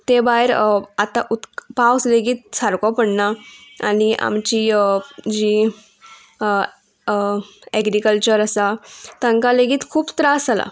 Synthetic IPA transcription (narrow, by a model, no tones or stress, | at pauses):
t̪ebaɦeɾat̪aʔut̪pawsleɡiːt̪̚saɾkɔpəɽnaa̰niʔa̰mt͡ɕid͡ʑi | ɛɡɾikəlt͡ɕəɾəsat̪ə̃ŋkaleɡiːt̪kʰuːpt̪ɾasala̰